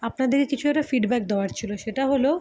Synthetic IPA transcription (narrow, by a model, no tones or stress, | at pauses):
apnad̪eɾkekit͡ɕʰuɛkʈafiɖbɛk̚d̪eoaɾt͡ɕʰiloʃeʈaɦolo